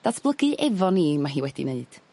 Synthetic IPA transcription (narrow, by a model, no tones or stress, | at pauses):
d̥asʰb̥lˠəɡɨʔɛvɔniːmaɦiːwɛdḭneɨd̥